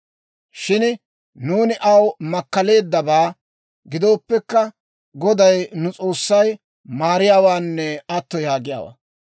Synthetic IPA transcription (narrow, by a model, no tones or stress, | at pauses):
ʃɪn | nuːnɪʔɐwmɐkːɐle̞ːd̪ːɐbaː | ɡɪd̪o̞ːpːɛkːɐ | ɡɔd̪ɐjnʊt͡sʼo̞ːsːɐj | maːɾɪjaːwaːnːɛɐt̪ːɔjaːɡɪja̰ːwa̰ː